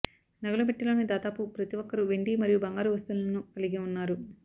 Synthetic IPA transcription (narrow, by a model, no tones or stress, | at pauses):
nɐɡɐlubeʈːilo̞ːnid̪aːd̪aːpupɾɐt̪iʋɔkːɐɾuʋeɳɖimɐɾijubɐŋɡaːɾuʋɐst̪ulɐnukɐliɡiunːaːɾu